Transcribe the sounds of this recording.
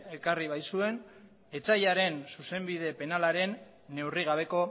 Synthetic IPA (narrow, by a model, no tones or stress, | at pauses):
ekariβ̞ajsue̞n | e̞t͡sajaɾe̞nsuse̞mbið̞e̞pe̞nalaɾe̞nː | e̞wriɣ̞aβ̞e̞ko̞